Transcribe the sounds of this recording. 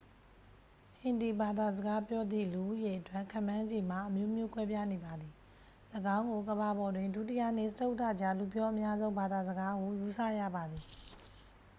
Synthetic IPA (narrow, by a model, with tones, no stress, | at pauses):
hɪ̃˨nd̪i˨ba˨d̪a˨zəɡa˦pjɔ˦d̪ðḭ˦˨lu˨ʔṵ˦˨je˨ʔətwã˦˨ŋkʰã̰˦˨mːã˦d͡ʑi˨m̥a˨ʔəmjo˦ʔmjo˦˨kwɛ˦pja˦˨ne˨ba˨d̪i˨ | ləɡã˦ʊ̃ŋɡo˨ɡəβa˨bɔ˨dwɪ̃˨ndu˦˨tɪ˦ja̰˦˨n̥ɪ̰˦˨səto˦ʊʔtːa̰˦˨d͡ʑa˦˨lu˨pjɔ˦ʔə˦mja˦zõ˦ʊ̃ba˨d̪a˨zəɡa˦ɡo˨ju˨sä̰˦˨jä̰˦˨ba˨d̪i˨